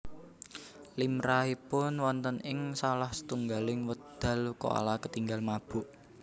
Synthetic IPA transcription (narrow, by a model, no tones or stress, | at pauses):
limɾaipʊnwɔnt̪ənɪŋsalahsə̥t̪uŋɡalɪŋwəd̪̥a̤luko̰a̰lakət̪iŋɡalmab̥ʊ̤ʔ